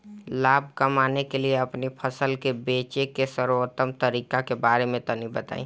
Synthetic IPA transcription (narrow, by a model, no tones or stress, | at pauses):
laːb̚kɐmaːnekelieɐpnipʰɐsəlkebeːt͡ʃekesəɾʋət̪ːəmt̪ɐɾiːkakebaːɾemẽt̪ɐnibɐt̪a̰ːḭ̃ː